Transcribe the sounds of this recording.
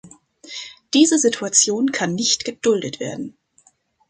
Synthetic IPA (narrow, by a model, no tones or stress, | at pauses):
d̥iːzəzɪtʰuat͡sjoːnkʰanːɪçtɡ̥əd̥ʊldətv̥eːɐdn̩